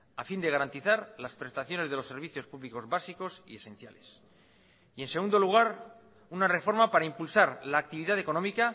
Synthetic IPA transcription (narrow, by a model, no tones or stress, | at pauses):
afind̪e̞ɣ̞aɾant̪iθaɾlaspɾe̞st̪aθjo̞ne̞zðe̞lo̞sːe̞ɾβ̞iθjo̞spuβliko̞zβasiko̞sḭe̞sẽ̞n̟θjale̞s | ie̞nse̞ɣund̪o̞luɣ̞aɾ | unare̞fo̞ɾmapaɾaimpulsaɾlaːk̚t̪iβiðaðe̞ko̞nomika